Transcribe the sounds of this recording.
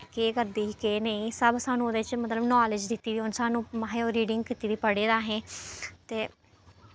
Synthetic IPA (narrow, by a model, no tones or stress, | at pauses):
keːkəɾd̪iːikeːneĩːsəbsaːnũːd̪et͡ʃmət̪ləbnɔːlɪd͡ʒd̪ɪt̪ːiːʋiːʊnsaːnũːmaɦeːoːɾiːɖɪŋɡ̚kɪt̪iːʋiːpəɽeːɾaːɦẽːt̪eː